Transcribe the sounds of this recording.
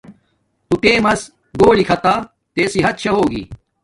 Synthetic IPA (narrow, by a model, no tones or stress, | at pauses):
t̪ut̪eːmɐs | ɡoːɽikʰɐt̪aː | t̪eːsiɦɐt̪̚t͡ɕʰɐɦoːɡḭ